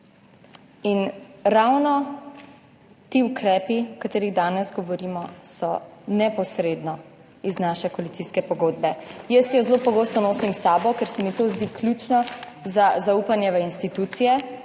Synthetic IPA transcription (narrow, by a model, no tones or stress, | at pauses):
inɾawnɔ | t̪iːukɾɛːpiɔkat̪eːɾiɣd̪aːnɛzɡɔʋɔɾiːmɔsɔnɛpɔsɾeːd̪nɔ | iznaʃɛkoɔalit̪iskɛpɔɡoːd̪̚bɛjəsjɔzlopɔɡost̪ɔnoːsimsaːbɔkɛɾsɛmit̪ozd̪iklʲuːt͡ʃnɔ | zazauːpanjɛʋɛinst̪it̪ut̪sijɛ